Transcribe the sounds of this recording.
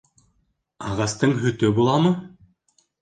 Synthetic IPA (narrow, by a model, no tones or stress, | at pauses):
ɑʁɑst̪ɯɴɦɵt̪øbulˠɑmɯ